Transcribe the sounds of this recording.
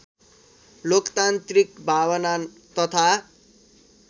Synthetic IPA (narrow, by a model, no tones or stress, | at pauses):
lokt̪ant̪rikbʱawʌna | t̪ʌt̪ʰa